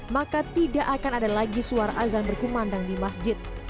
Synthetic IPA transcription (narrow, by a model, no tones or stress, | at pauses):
makat̪idaʔakanadalaɡisuaɾaʔazanbərkumandaŋdimasd͡ʒɪt̪̚